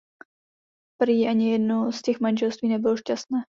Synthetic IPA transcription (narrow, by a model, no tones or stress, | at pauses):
pɾiːʔaɲɪjɛdnoscɛxmanʒɛlst̪viːnɛbɪloʃcast̪nɛː